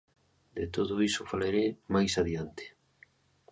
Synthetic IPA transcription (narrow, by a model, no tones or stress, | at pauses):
d̪et̪oðʊisʊfalaɾemajsaðiant̪ɪ̥